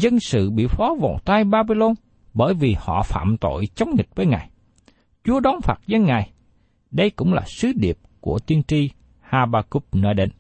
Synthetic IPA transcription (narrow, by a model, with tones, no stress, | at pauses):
zə˧nsɨ̰˧˨ɓḭ˧˨fɔ˨˦vo̰˧˨t̪aː˧jɓaː˧ɓi˧lo˧n | ɓəː˧˩jvi˨˩hɔ̰˧˨fa̰ː˧˨mt̪o̰˧˨jt͡ɕɔ˨˦wŋ͡mŋi˨˩k̚vəː˨˦jŋaː˨˩j | t͡ɕu˨˦əɗɔ˨˦ŋ͡mfaː˨˩t̚zə˧nŋaː˨˩j | ɗə˧jkʊ̰˧˥ŋ͡mlaː˨˩sɨ˨˦ɗi˨˩əp̚ku˧˩ət̪i˧ənt͡ɕi˧ | haː˧ɓaː˧ku˦˥p̚nɔ˧˦jɗe˧˩n